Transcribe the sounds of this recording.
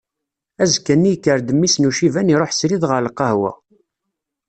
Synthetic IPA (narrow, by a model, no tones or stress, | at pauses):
æzkənːijkːəɾd̪əmːisnuʃivæniɾˤoħsɾiðʁəɾlqːɑhwæ̰